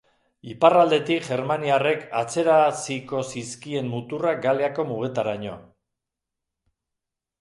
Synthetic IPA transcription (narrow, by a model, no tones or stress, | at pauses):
iparald̪e̞t̪ikʝe̞ɾmaniare̞kat͡se̞ɾasiko̞siskie̞mmut̪uraɡaleako̞muɣ̞e̞t̪aɾaɲo̞̰